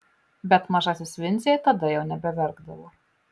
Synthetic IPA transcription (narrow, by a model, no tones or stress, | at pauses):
bʲɛt̪mɐʒɑːsʲɪsʋʲɪnʲzʲejɛt̪ɐd̪ɐjɛʊnʲɛbʲɛʋʲɛɾɡd̪ɐʋoː